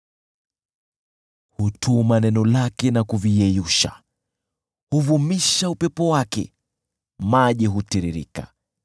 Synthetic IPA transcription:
hutʰumanɛnɔlakɛnakuvijɛjuʃa̰ | huvumiʃaupɛpɔwakɛ̰ | maʄiɦutiɾiɾḭka̰

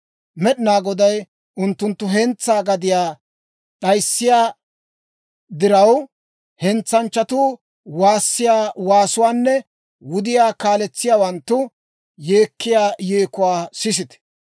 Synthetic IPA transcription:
mɛɗɪnaːɡɔd̪ɐj | ʔʊnt̪ːʊnt̪ːʊɦɛnt͡sːaːɡɐd̪ɪjaː | ɗɐjsːɪjaː | d̪ɪɾɐw | hɛnt͡sːɐnt͡ʃːɐt̪uː | waːsːɪjaːwaːsʊwaːnːɛ | wʊd̪ɪjaːkaːlɛt͡sːɪjaːwɐnt̪ːʊ | jeːkːɪjaːjeːkʊwaːsɪs̬ɪt̪ɛ̥

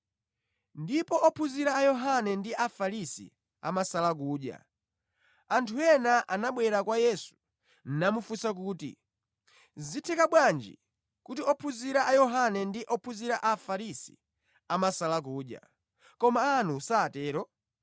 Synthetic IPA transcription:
ndipɔʔɔpʰuziɾaːjɔɦanɛndiafaɾisḭ | a̰masalak̬uːɗja̰ | antʰuɛnaʔanaɓwɛɾakwajɛsu̥ | n̩namufusak̬uːtḭ | zitʰɛkaɓwand͡ʒḭ | kutiɔpʰuziɾaʔajɔɦanɛndiʔɔpʰuziɾaʔafaɾisḭ | amasalak̬uːɗja̰ | kɔmaːnusaːtɛːɾɔ

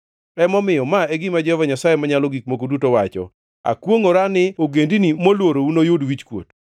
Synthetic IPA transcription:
ɾɛmɔmɪjɔmaeɡɪmad͡ʒɛvaɲasajemaɲalɔɡik̚mokodutowat͡ʃɔ̰ | a̰kwoŋoɾanɪoɡendinimolwoɾounojodwit͡ʃkwo̰t

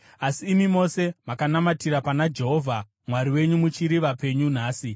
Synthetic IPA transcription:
asiːmimo̞se̞makanamatiɾapanad͡ʒe̞ɦo̞vʱa | mwaɾiwe̞ɲumut͡ʃiɾiʋape̞ɲun̤aːsi

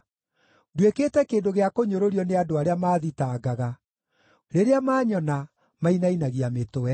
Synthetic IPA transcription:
dwekeːtɛkeːndoɣeakoɲoɾoɾiɔneadoaɾeamaːðitaːɡaɣa | ɾeɾeamaːɲɔna | mainainaɣiametowɛ

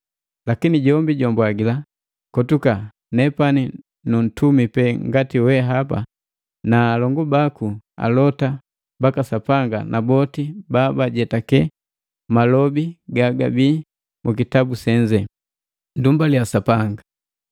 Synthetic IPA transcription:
lakiniɟɔmbiɟɔmbwaɡila | kɔtuka | nɛpani | nun̩tumipɛŋɡatiwɛɦapa̰ | naːlɔŋɡubakua̰lɔta | bakasapaŋɡanʔabɔtibabaɟɛtakɛ | malɔbiɡaɡa̰biː | mukitabusɛɲd͡ʒɛ | ndumbaljasapaŋɡa

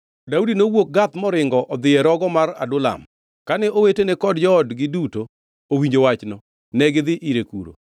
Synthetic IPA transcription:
daudinowok̚ɡat̪mɔɾɪŋɡɔʔɔd̪ɪɛɾɔɡɔmaɾa̰dʊla̰m | kanɛʔowetenɛkɔdd͡ʒɔdɡɪduto | owiɲd͡ʒowat͡ʃnɔ | nɛɡɪðɪʔiɾekṵɾo̰

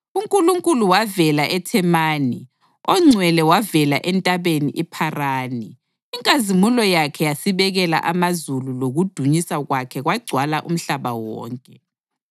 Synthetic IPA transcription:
uŋkʼuluŋkʼuluwavɛlaʔɛtʰɛmaːni | ɔŋ͡ǀʱwɛlɛwavɛla̰ʔɛntʼaβeniʔɛpʰaraːniː | ŋkʼazimulɔjakʰɛjasiβɛɣɛla̰ʔamazululoɣud̥ʱuɲisaɣwakʰɛɣwaɡ͡ǀʱwalaʔum̩ɬaβa̰wɔ̰ːŋkʼɛ

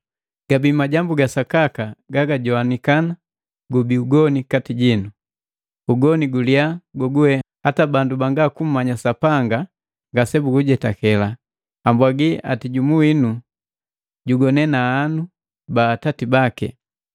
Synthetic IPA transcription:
ɡ̥abimaɟambuɡasakakaɡaɡaɟɔanikana | ɡubiuɡɔnikatiɟinu | uɡɔniɡuliaɡɔɡuwɛhatabandubaŋɡakum̩mːaɲasapaŋɡa | ŋɡasɛbuɡuɟɛtakɛla | ambwaɡia̰tiɟumuwinu | ɟuɡɔnɛnaːnu | baːtatibakɛ̰

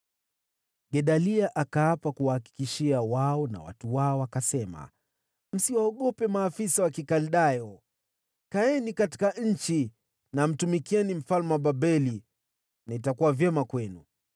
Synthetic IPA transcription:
ɠɛɗaliaʔakaapakuwahaki̥kiʃiawaɔna̰wa̰tuwaɔakasɛma̰ | m̩siwaɔɠɔpɛmaːfisawakikalɗajɔ | kaɛnikati̥kaɲ̩t͡ʃi | nam̩tumikiɛnim̩falmaɓaɓɛli | naitakuwavjɛmakwɛnu

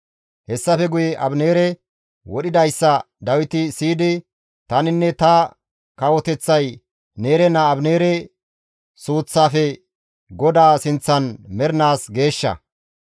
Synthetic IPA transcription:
hɛsːɐfɛɡʊjɛʔɐbne̞ːɾɛ | wɔɗɪd̪ɐjsːɐ | d̪ɐwɪt̪ɪsiːd̪ɪ | t̪ɐnɪnːɛt̪ɐ | kɐwɔt̪ɛt͡sːɐj | ne̞ːɾɛnɐːbne̞ːɾɛ | suːt͡sːaːfɛ | ɡɔd̪aːsɪnt͡sːɐnmɛɾɪnaːsɡe̞ːʃːɐ̰

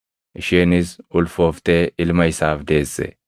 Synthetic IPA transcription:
ʔɪʃiːnɪsʔʊlfoːft̪eːʔɪlmɐɪsaːfd̪e̞ːsːɛ̰

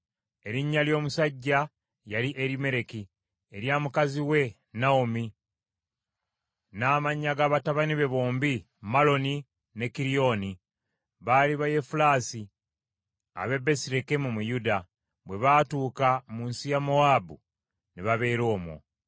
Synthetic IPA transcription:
e̞ɾiɲːaljo̞ːmusaɟːa | jaliʔeɾime̞ɾe̞ki | eɾjaːmukaziwe̞ | naomi | naːmaɲːaɡaːβataβaniβe̞βoːmbi | malo̞ni | ne̞kiɾio̞ni | βaːliβaje̞fulaːsi | a̰βe̞be̞siɾekemumujuda | βwe̞βatuːkamuːnsijamo̞aːbu | niβaβe̞ːɾo̞ːmwo̰

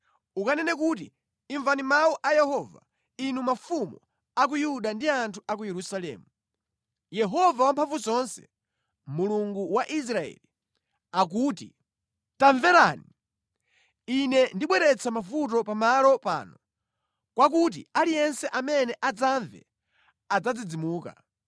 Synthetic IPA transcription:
ukanɛnɛk̬ut̬ḭː | ɱvanimawuʔajɛhɔva̰ | inumafumɔ | ak̬ujuɗandiantʰuak̬ujɛɾusalɛ̰ːmu | jɛɦɔvawampʰaɱvuzɔnsɛ̥ | muluŋɡuwaʔis̬ɾaɛ̰li | ak̬uːti | taɱvɛɾani | inɛndiɓwɛɾɛt͡sʰamafut̬ɔpamalɔpa̰ːnɔ | kwak̬ut̬ḭalijɛnsɛʔamɛnɛʔad͡zaɱvɛ̰ | ad͡zad͡zid͡zimuːka̰

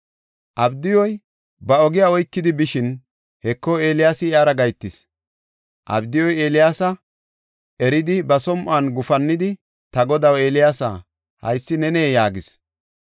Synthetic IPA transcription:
ʔɐbd̪ɪjɔj | bɐɔɡɪjaːɔjkːɪd̪ɪbɪʃɪn | hɛkːɔe̞ːlɪjaːsɪjaːɾɐɡɐjt̪ːɪs | ʔɐ̰bd̪ɪjɔjeːlɪjaːsɐ | ɛɾɪd̪ɪbɐsɔmʔaːnɡʊfɐnːɪd̪ɪ | t̪ɐɡɔd̪ɐwe̞ːlɪjaːsa̰ | hɐ̰jsːɪnɛneːjaːɡɪs

